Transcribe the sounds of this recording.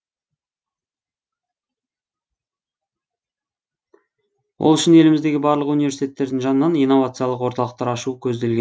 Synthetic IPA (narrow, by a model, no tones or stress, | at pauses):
wʔo̰lˠʏʃɪne̞lɪmɪzd̪eɡʲɪbɑɾlˠəqunijve̞ɾsit̪et̪ːe̞ɾd̪ɪŋʒɑnənɑnijnːo̞vat̪sɨjɑlˠəqwoɾt̪ɑlˠəqt̪ɑɾɑʃuəkʲʰɵzd̪e̞lɡʲe